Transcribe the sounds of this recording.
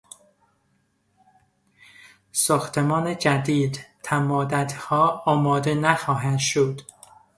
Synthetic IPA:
sɒːxt̪ʰemɒːned͡ʒæd̪iːd̪t̪ʰæmɒːd̪æd̪hɒːɒːmɒːd̪enæxɒːɦænd̪ʃod̪̥

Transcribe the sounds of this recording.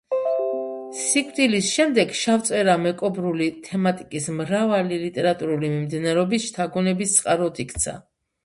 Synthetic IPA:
sikʼt̪ʼilisʃɛmd̪ɛɡʃaft̪sʼɛɾamɛkʼɔbɾulit̪ʰɛmat̪ʼikʼismɾavalilit̪ʼɛɾat̪ʼuɾulimimd̪inaɾɛɔbisʃt̪ʰaɡɔnɛbist̪sʼqʼaɾɔd̪ikʰt̪sʰa̰

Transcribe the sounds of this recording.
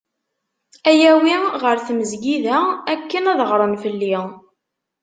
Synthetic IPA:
æjæwiʁəɾθməzɡiðæækːənæðəʁɾˤənfəlːi

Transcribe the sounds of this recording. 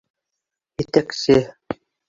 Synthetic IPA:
jɘ̆t̪æksɘ

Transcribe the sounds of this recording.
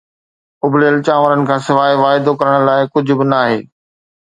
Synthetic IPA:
ʊbleːlt͡ɕãːʋəɾənɪ̆kʰãːsɪʋaːiʋaːɦɪd̪okɐɾəɽ̃laːɪkʊd͡ʑʱʊbɪnaːɦeː

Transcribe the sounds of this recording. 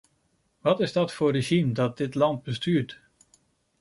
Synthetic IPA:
ʋɑtɪzdɔtfʊreʒimdɔt̚dɪtlɑnt̚bəstyːt

